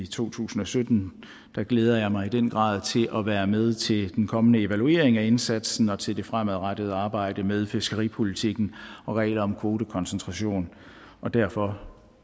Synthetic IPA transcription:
it͡sʰo̝̰ːt͡sʰṵːsn̩ɒ̽sød̥n̩ | d̥ɑ̈ɡ̥leːð̞ˠɐjɑ̈ɪmɑ̈ɪid̥en̰ɡ̥ʁɑ̰̈ːð̞̰ˠt͡sʰe̝lʔɒʋæːɐmeð̞ˠt͡sʰe̝ld̥enkʰɒ̽mənəe̝ʋælue̝ɐeŋæe̝nsæd̥sn̩ɒ̽t͡sʰe̝ld̥e̝fʁamæðˠʁad̥əð̞̩ˠəɑ̈ːb̥ɑ̈ɪ̰d̥əmeð̞ˠfe̝sɡ̥əʁḭːpʰo̝lit͡sʰiɡ̥n̩ɒ̽ʁɛ̰ːlɐɒ̽mkʰʋo̝ːd̥əkʰɒ̽nsənt͡sʰʁɑ̈ɕo̝̰ːn | ɒ̽d̥æɐfɒ̽

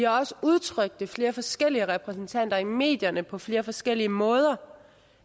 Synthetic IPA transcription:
ihɑ̈ɒ̽səuð̞ˠt͡sʰʁœɡ̥̚d̥əfle̝ːɐfɒ̽sɡ̥el̰iəʁɛpʰʁɛsn̩t͡sʰæn̰d̥ɐime̝̰ːd̥jɐnəpʰɒ̽fle̝ːɐfɒ̽sɡ̥el̰iəmɔ̽ːð̞ˠɐ

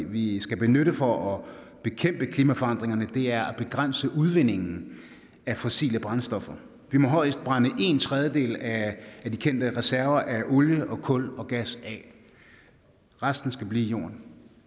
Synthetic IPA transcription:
ʋisɡ̥æb̥e̝nøɾəfɒ̽ʔɒ | b̥e̝kʰem̰b̥əkʰliːmæfɒ̽ɑ̈n̰d̥ʁeŋɐnəd̥e̝æɐæb̥e̝ɡ̥ʁan̰səʔuðˠʋe̝n̰e̝ŋn̩ | æfɒ̽sḭːləb̥ʁɑ̈nsd̥ɒ̽fɐ | ʋimɒ̽ɦɒ̽ɪ̰sd̥̚b̥ʁɑ̈nəʔe̝ːnt͡sʰʁɛð̞ˠjəd̥e̝̰ːlæːd̥ikʰen̰d̥əʁɛsæɐʋɐʔæʔo̝ljəʔɒ̽kʰɔ̽lɒ̽ɡ̥æsɛ | ʁasd̥n̩sɡ̥æb̥lḭːjo̝̰ːɐn

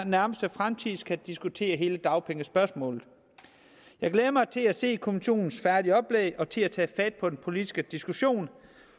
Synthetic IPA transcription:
næɐməsd̥əfʁamt͡sʰiðˠskʰæd̥isɡ̥ut͡sʰe̝̰ːɐɦe̝ːləd̥ɑ̈ʊpʰeŋəsb̥ɶɐsmɔ̰̽ːlð̩ˠ | jɑ̈ɪɡ̥leːðˠɐmɑ̈ɪt͡sʰe̝læse̝̰ːkʰo̝miɕo̝̰ːnn̩sfæɐd̥iəɒ̽b̥leːɪʔɒ̽t͡sʰe̝æt͡sʰɛ̰ːfæd̥̚pʰɒ̽d̥enpʰo̝lid̥isɡ̥əd̥isɡ̥uɕo̝̰ːn

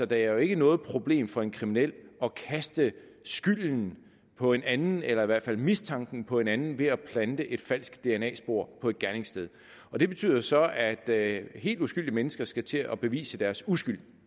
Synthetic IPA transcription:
sɒ̽d̥ɑ̈æɐjo̝e̝ɡ̥ənɔ̽ːð̩ˠpʰʁo̝b̥le̝̰ːmfɒ̽e̝nkʰʁiminel̰ɒ̽kʰæsd̥ə | sɡ̥yl̰n̩ | pʰɒ̽e̝nænn̩elɐiʋæɐ̰dfæl̰mist͡sʰɑ̈ŋɡ̥n̩pʰɒ̽e̝nænn̩ʋe̝æpʰlænd̥əʔe̝d̥fæl̰sɡ̥d̥e̝enɛ̰ːsb̥o̝̰ɐ̰pʰɒ̽e̝d̥̚ɡ̥æɐne̝ŋsd̥eð̞ˠ | ɒ̽d̥e̝b̥e̝t͡sʰy̰ðˠɐsɒ̽æd̥he̝̰ːld̥usɡ̥yl̰diəmenəsɡ̥ɐsɡ̥æt͡sʰe̝ɒb̥e̝ʋḭːsəd̥æɐsusɡ̥yl̰

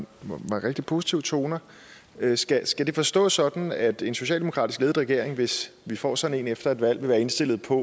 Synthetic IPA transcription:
ʋɑʁeɡ̥̚d̥i̥pʰo̝si̥t͡sʰiʊt͡sʰo̝ːnɐ | sɡ̥æsɡ̥æd̥e̝fɒ̽sd̥ɔ̰̽ːsɒ̽d̥n̩æd̥e̝nso̝ɕ̬ɛ̰ld̥emokʰʁɑ̈d̥isɡ̥e̝ːð̩ˠʁɛɡ̥e̝ɐ̰e̝ŋʋe̝sʋifɒ̰ːsɒ̽d̥n̩e̝̰ːnefd̥ɐe̝d̥ʋæl̰ʋe̝ʋæːɐe̝nsd̥e̝l̰ð̩ˠpʰɒ̽

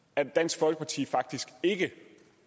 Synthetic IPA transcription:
æed̥æn̰sɡ̥fɒ̽l̰ɡ̥ə̥pʰɑ̈t͡sʰḭːfɑ̈ɡ̥̚d̥isɡ̥e̝ɡ̥ə

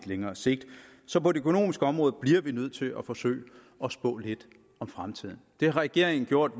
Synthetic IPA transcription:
d̥leŋɐːse̝ɡ̥̚d̥ | sɒ̽pʰɒ̽d̥e̝økʰono̝̰ːmisɡ̥əɒ̽mʁɔ̽ːð̞̩ˠb̥liɐʋinøð̞̰ˠt͡sʰe̝lʔɒfɒ̽sø̰ɪ | ɒ̽sb̥ɔ̰̽ːle̝d̥ | ɒ̽mfʁamt͡sʰið̰ˠn̩d̥e̝hɑ̈ʁɛɡ̥e̝ɐ̰eŋn̩ɡ̥jo̝ɐ̰d̥

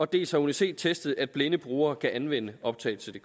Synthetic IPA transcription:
ɒ̽d̥e̝̰ːlshɑ̈unise̝̰ːd̥̚t͡sʰesd̥ð̞̩ˠæd̥̚b̥lenəb̥ʁuːɐːkʰæʔænʋen̰əɒ̽b̥̚t͡sʰɛ̰ːl̩t͡sʰe̝ld̥e̝

